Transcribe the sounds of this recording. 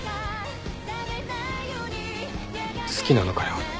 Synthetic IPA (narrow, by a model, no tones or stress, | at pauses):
sɨ̥kʲinanokaɾaa